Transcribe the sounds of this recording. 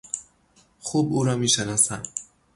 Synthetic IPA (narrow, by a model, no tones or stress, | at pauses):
χubuːɾɒːmiʃenɒsan